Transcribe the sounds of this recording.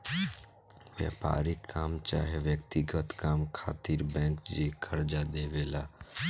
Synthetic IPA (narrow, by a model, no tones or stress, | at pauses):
ʋjɛ̰ːpa̰ːɾikʰːaːmt͡ʃa̰ːɦeʋjəkt̪iɡət̪kaːmkʰaːt̪iɾbɛ̃ːŋkd͡ʒiːkʰəɾd͡ʒad̪eːʋeːla̰ː